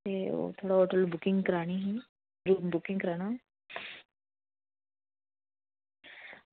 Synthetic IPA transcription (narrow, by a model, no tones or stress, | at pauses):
t̪ḛt̪ʰoɽaɔʈəlbukiŋɡkɾaɽ̃iɦĩ | ɾumbukĩŋɡkɾaɽ̃a